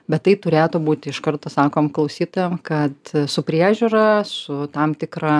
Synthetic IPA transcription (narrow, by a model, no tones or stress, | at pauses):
bʲɛt̪t̪ːɐɪt̪ʊɾʲeːt̪ʊːbuːt̪ʲɪɪʃkɐɾt̪oːsɑːkoːmklˠɐʊsʲiːt̪oːjɛmkɐt̪sʊpʲɾʲiɛʒʲuːɾɐsʊt̪ɐmt̪ʲɪkɾɐ